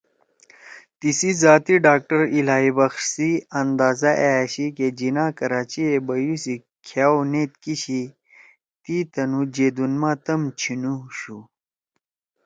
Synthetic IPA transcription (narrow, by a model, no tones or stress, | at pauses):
t̪isizaːt̪iɖaːk̚ʈɐɾilaːibɐxʂsiɐnd̪aːzɐʔeaɕiked͡ʑinaːkɐɾaːt͡ɕiebɐjusi | kʰaːwneːt̪̚kiɕi | t̪it̪ɐnud͡ʑeːd̪unmaːt̪ɐmt͡ɕʰinuɕu